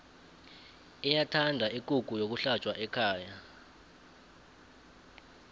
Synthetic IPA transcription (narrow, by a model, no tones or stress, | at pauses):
ɛjatʰandʱaikʼuɡ̥ʱujok̬uɬat͡ʃʼwaʔɛkʰaːja